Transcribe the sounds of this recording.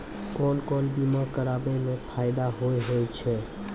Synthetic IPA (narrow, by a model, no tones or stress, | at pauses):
kɔnkɔnbimakəɾabɛmẽpʰaɪd̪aɦojɦojt͡ʃʰɛ